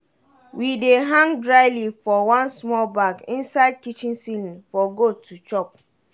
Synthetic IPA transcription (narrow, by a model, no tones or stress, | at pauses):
wideɦãŋdɹaɪlifɔwãnsmɔlbakĩnsaɪd̚kit͡ʃĩnsilifɔɡotʰut͡ʃɔp̚